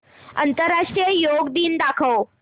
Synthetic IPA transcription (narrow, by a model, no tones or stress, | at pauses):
ɐ̰̃nt̪əɾːaːʂʈɾijəjoːɡd̪iːnd̪aːkʰəo